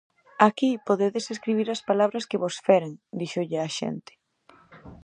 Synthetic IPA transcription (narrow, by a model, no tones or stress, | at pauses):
akipoðeðeseskɾiβ̞iɾɐspalaβ̞ɾɐskeβosfɛɾeŋd̪iʃoʎɪaʃḛnt̪ɪ̥